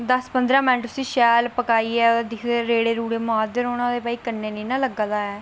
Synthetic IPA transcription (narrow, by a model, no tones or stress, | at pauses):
d̪əspənd̪ɾãːmɪnʈʊsĩːʃɛːlpəkaːiːɛːd̪ad̪ɪkʰd̪eːɾeːɽeːɾuːɽeːmʊɦaːd̪əɾoːnãːd̪eːpaːiːkənːeːnẽːnãːləɡaːd̪aːɛː